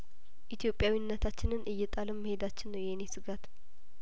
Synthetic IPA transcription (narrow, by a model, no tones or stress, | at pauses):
ʔit̪ʰjo̞pʼːjawinːət̪ʰat͡ʃːɪnɨnʔɨjːɛt̪ʼaləmːəhe̞d̪at͡ʃːɪnːəwjɛnesɨɡat̪